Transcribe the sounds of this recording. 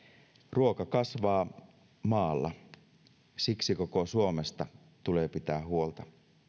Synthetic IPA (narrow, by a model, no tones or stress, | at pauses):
ruo̞kɑkɑsʋɑː | mɑːlːɑ̰ | siksiko̞ko̞suo̞mest̪ɑ | t̪ule̞ːpit̪æːɦuo̞lt̪ɑ